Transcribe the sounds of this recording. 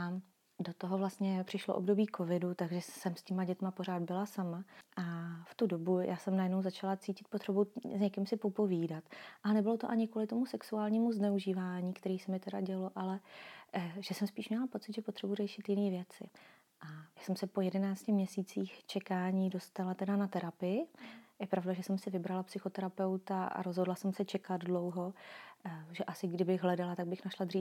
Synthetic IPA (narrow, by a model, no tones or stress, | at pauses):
a | do̞t̪oɦovlast̪ɲɛpr̝̥ɪʃloʔobdo̞biːkʰo̞vɪdut̪aɡʒɛsɛmscɪmaɟɛt̪mapo̞r̝aːd̪bɪlasamaʔaft̪udo̞bujʔaːsɛmnajɛdnowzat͡ʃalat͡siːcɪt̪̚pot̪r̥ɛbuzɲɛkɪmsɪpo̞po̞viːdat̪ʔalɛnɛbɪlo̞t̪oʔaɲɪkvuːlɪt̪omusɛksuaːlɲiːmuznɛuʒiːvaːɲiːkt̪ɛɾiːsɛmɪt̪ɛɾaɟɛlo̞ʔalɛ | ʒ̥ɛsɛmspiːʃmɲɛlapo̞t͡sɪt̪ʒɛpot̪r̥ɛburɛʃɪt̪jɪniːvjɛt͡sɪ̰ | ʔajaːsɛmsɛpo̞jɛdɛnaːt͡scɪmɲɛsiːt͡siːxt͡ʃɛkaːɲiːdo̞st̪alat̪ɛdanat̪ɛɾapɪjɪjɛpɾavdaʒɛsɛmsɪvɪbɾalapsɪxo̞t̪ɛɾapɛwt̪aa̰ɾozɦodlasɛmsɛt͡ʃɛkad̪dlo̞wɦo̞ | ʒɛʔasɪɡdɪbɪɣɦlɛdalat̪aɡ̚bɪxnaʃlad̪r̝iː